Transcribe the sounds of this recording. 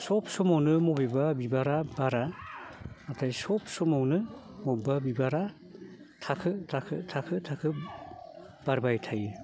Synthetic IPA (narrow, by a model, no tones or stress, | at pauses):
sɔp̚sɔmawnɯmɔbebabibaɾabaɾa | atʰajsɔp̚sɔmawnɯ | mɔbabibaɾa | tʰakʰɯtʰakʰɯtʰakʰɯtʰakʰɯ | b̥aɾbajtʰaj